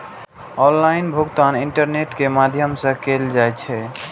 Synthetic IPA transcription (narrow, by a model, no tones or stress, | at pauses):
ɔ̃nlainbʱuɡt̪aniɳʈəɾneʈkemad̪ʱjəmsə̃keld͡ʒajt͡ʃʰɛ